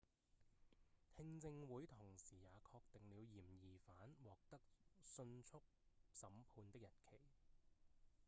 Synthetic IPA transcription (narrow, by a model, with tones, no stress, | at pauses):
t̪ʰɪ˧ŋt͡sɪ˧ŋwuː˨˥jt̪ʰʊ˨˩ŋsiː˨˩jaː˨˧kʰɔː˧k̚t̪ɪ˨ŋliː˨˧wjiː˨˩mjiː˨˩faː˨˥nwɔː˨k̚t̪ɐ˥k̚sɵ˧nt͡sʰʊ˥k̚sɐ˨˥mpʰuː˨˧nt̪ɪ˥k̚jɐ˨t̚kʰe˨˩j